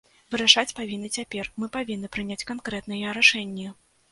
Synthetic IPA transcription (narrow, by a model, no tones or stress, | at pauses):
vɨɾaʂat͡sʲpavʲinːɨt͡sʲapʲɛrmɨpavʲinːɨpɾɨnʲat͡sʲkankɾɛt̪nɨjɐɾaʂɛnʲːɐ